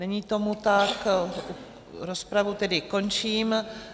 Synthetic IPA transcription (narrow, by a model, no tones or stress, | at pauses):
ɛɲiːt̪o̞mut̪aku | ɾospɾavut̪ɛdɪko̞nt͡ʃiːm